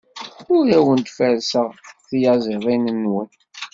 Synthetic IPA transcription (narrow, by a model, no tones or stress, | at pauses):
ʊɾæwənt̪fæɾsəʁθjɑzˤɪðˤinənwən